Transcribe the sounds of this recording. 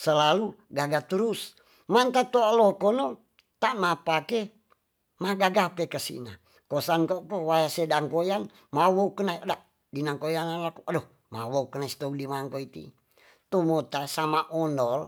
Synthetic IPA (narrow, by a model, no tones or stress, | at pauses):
səlaluɡaɡat̪uɾus | mant̪at̪oalokono | t̪aʔmapake | maɡaɡapekəsḭna | kosankokowajasedaŋkojan | mawoukənaiadaʔ | dinaŋkojanalakuʔado | ma̰woukənaist̪oudimaŋkoit̪ḭ | t̪umot̪asamaʔɔndɔl